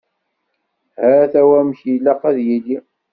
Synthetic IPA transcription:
hæθæwæmçjilːæqæðjili

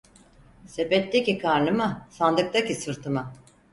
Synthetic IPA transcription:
se̞pɛt̪ːecikʰaɾnɯmasand̪ɯk̚t̪acisɯɾt̪ʰɯma

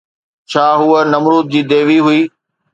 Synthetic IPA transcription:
t͡ɕʰaːɦʊənɐmɾuːt̪̚d͡ʑiːd̪eːʋiɦʊiː

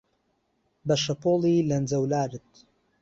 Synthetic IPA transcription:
bɐʃɐpoːlˠiːlɐnd͡zɐwlaːɾɨt̪̚

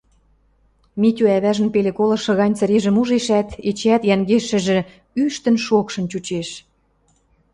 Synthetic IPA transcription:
mit̪ʲyæβæʒə̆npelekolɤ̆ʃɤ̆ɣɑnʲt͡sə̆ɾeʒə̆muʒeʃæt̪et͡ɕæt̪jæŋɡeʃə̆ʒĕ | yʃt̪ə̆nʃokʃɤ̆nt͡ɕut͡ɕeʃ

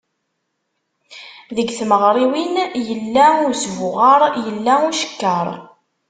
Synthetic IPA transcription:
ðəɡθməʁɾˤiwinjəlːæʊɾsvʊʁɑɾˤjəlːæʊʃə̥kːəɾˤ

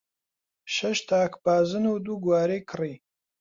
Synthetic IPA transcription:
ʃɐʃt̪ʰaːkbaːzɨnud̪uːɡwaːɾeːkʰɨriː

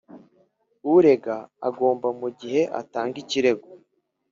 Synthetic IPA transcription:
uɾe̞ɡaa̰ɡo̞ːmbamuɟihe̞ʔa̰taːŋɡiciɾe̞ɡo

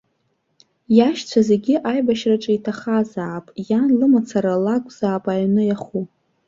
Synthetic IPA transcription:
jaʃt͡sʷʰaze̞ɡʲɪʔajbaʃraʈ͡ʂʼaitʰaχazaːpʼjanlɨmat͡sʰaɾalakʷʼz̥aːpʼaɥnɨjaχu

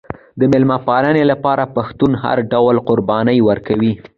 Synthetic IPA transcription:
d̪əmɪlmapɑɾanelapɑɾapaxt̪unɦa̰ɾɖawlqʊɾbɑnəjwəɾkawi

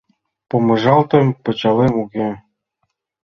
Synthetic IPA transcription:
pomɤ̆ʒɑlt̪ə̆mpɤ̆t͡ɕɑlemuɣe

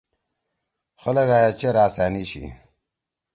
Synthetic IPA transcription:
xolɐɡaːjat͡ɕeɾaːsaːniɕḭ

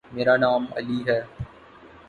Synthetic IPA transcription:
meːɾaːnaːmɐ̰liːɦɛː

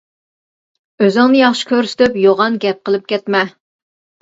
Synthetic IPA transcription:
øzɪŋnɨjɑχʃi̥kʲøɾsy̥t̪ʰɪpjoʁɑnɡʲɛp̚qəlˠɨp̚kʲɛt̪mɛ

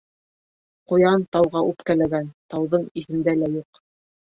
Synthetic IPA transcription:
qŏjɑnt̪ɑwʁɑʔʉpkælæɡænt̪ɑwðɤɴiθɘ̆nd̪ælæjuq

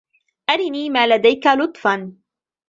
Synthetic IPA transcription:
ʔaɾɪniːmaːlad̪ajkalʊt̪ˤfan

